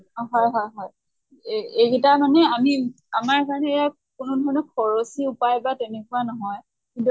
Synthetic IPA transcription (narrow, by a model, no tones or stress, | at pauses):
ɦɔjɦɔjɦɔj | eɡitamanɛami | amaɹkaɹɔnɛːja | kʊnʊdʱɔɹɔnɔkʰɔɹosiupajbatɛnekuanɔɦɔj | kintu